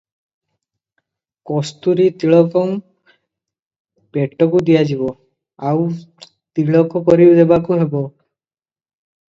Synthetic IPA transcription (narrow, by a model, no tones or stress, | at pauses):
kɔst̪uɾit̪iɭɔkɔŋ | peʈːɔkud̪ijad͡ʒibɔ | aw | t̪iɭɔkɔkɔɾiwd̪ebakuɦebɔ